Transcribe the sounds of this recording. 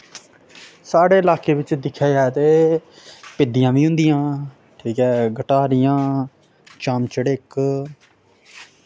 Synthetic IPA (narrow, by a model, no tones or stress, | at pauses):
saːɽeːəlaːkeːʋɪt͡ʃd̪ɪkʰːjaːjat̪eː | pɪd̪ɪjãːʋiːɦʊ̃nd̪ɪjãː | ʈʰiːkɛːɡəʈaːɾɪjãː | t͡ʃaːmt͡ʃəɽeːk